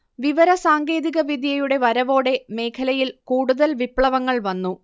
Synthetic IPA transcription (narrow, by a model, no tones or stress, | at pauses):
ʋiʋɐɾɐsaːŋɡe̞ːðiɣɐʋid̪ʱjɐjuɽe̞ʋɐɾɐʋo̞ːɽe̞me̞ːkʰɐlɐjilkuːɽuðɐlʋipɭɐʋɐŋːɐɭʋɐnːu